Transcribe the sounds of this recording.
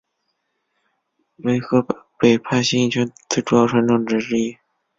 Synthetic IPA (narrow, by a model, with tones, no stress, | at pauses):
we˧˥ɪxɤ˧˥pe˨˩ɪpʰa˥˩ɪɕi˥i˥˩t͡ɕʰɥɛ˧˥nt͡s̩ʰ˥˩ʈ͡ʂu˧˥jɑ˥˩ʈ͡ʂʰa˧˥nʈ͡ʂɤ˥˩ŋʈ͡ʂɻ̩˧˥ɻi˥˩